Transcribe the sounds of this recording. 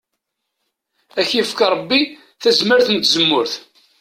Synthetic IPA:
æçifkɑɾˤəbːi | θæzməɾθənt̪ːzəmːʊɾθ

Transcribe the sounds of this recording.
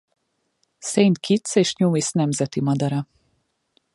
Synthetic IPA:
sejnt̪kʰit̪seːʃɲuːisnɛmzɛt̪imɒd̪ɒɾɒ

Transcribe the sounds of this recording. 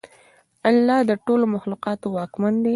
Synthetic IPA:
alːɑd̪əʈolomaxluqɑt̪owɑkmand̪e

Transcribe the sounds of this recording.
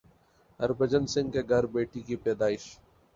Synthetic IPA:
ɐ̰ɾbəd͡ʒənsɪ̃ŋɡkeɡʱɐɾbeːʈikipɛːd̪aːɪʃ

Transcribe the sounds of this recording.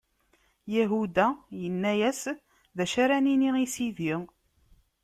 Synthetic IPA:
jæɦud̪æjənːæjæs | ðæʃaɾæniniisiði

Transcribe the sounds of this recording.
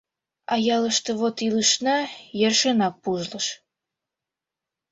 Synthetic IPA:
ɑjɑləʃt̪əβot̪iləʃnɑjerʃənɑk̚puʒləʃ

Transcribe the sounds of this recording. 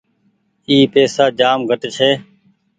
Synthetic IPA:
iːpeːsaːd͡ʒaːmɡʱəʈt͡ʃʰeː

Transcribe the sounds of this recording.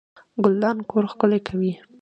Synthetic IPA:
ɡʊld̪ɑnkʰoɾxkʊlajkʰawi

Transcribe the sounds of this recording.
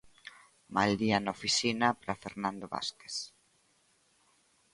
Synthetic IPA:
mald̪ianofisinapɾafeɾnãnd̪oβa̰ske̥s

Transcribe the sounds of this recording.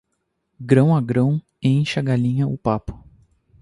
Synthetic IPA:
ɡɾɐ̃w̃aɡɾɐ̃w̃ | ẽj̃ʃɐɡalĩɲɐʊpapʊ̥

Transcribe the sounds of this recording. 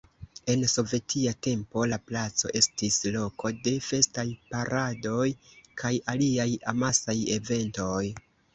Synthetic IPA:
e̞nso̞ve̞tʰiate̞mpo̞laplat͡so̞̰ʔe̞stislo̞kʰo̞de̞fe̞stajpaɾʔado̞jkʰajaliajamasaje̞ve̞nto̞j

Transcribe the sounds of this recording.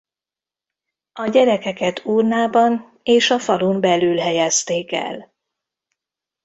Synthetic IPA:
ɒɟɛɾɛkɛkɛt̪ʰuːrnaːbɒn | eːʃɒfɒlumbɛlyːlɦɛjɛst̪eːkɛ̰l

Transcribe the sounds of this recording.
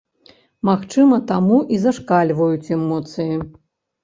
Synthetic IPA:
maxt͡ʂɨmɐt̪amuʔizɐʂkalʲvɐjut͡sʲɛmɔt̪sɨji

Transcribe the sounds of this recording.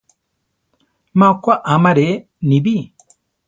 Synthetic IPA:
mãkʷaʔamãɾe | nĩbi

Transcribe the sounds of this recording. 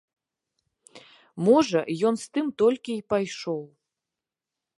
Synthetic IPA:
mɔʐɐjɔn̪st̪ɨmt̪ɔlʲkʲiːpajʂɔw

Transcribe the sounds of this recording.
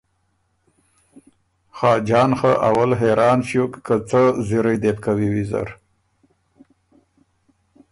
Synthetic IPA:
xɑːd͡ʒɑːnxəʔawalɦeɾʔɑːnɕukkːət͡səziɾajd̪ep̚kawiwiza̰ɾ

